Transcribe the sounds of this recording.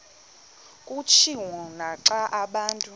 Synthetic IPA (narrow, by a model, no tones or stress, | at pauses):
kʼut͡ʃʰiwɔnaǀaʔaɓaːntʼu